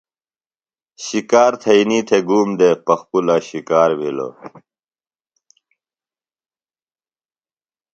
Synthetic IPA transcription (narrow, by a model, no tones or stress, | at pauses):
ɕikaːɾt̪ʰɐiniːt̪ʰeɡuːmd̪epɐxpulaɕikaːɾmilo̰